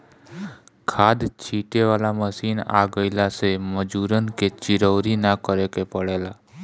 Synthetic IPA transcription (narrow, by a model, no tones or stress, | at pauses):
kʰad̪t͡ʃʰiʈeʋalaməʃina̰ɡəjlaseməd͡ʒuɾənket͡ʃiɾəʋɾinakəɾekepəɭela